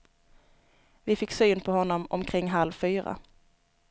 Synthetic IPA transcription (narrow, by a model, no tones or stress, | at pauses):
vɪfɪkːsyːnpʰɔhɔnːɔmɔ̰mkʰɾɪŋːɦalvfyːɾa̰